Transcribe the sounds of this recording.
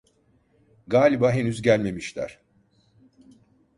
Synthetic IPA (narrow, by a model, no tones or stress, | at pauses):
ɡaːlʲibaɦe̞nyzɟælʲme̞miʃlʲæ̰ɾ̥